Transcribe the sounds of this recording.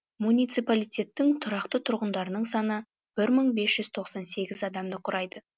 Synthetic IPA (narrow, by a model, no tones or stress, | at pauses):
munijt̪sijpalijt̪ʲe̞t̪ːɪŋt̪ʰʊɾɑqt̪ət̪ʰʊɾʁənd̪ɑɾənəɴsɑnə | b̥ɪɾməɴbe̞sʒ̥ʏz̥t̪ʰo̞qsɑnse̞ɡʲɪzɑd̪ɑmd̪əqʰʊɾʔɑjd̪ə